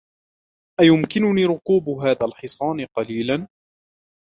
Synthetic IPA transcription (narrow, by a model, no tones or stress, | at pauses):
ʔajʊmkɪnʊniːɾʊquːbɦaːðaːlħɪsˤɑːnqɑliːlan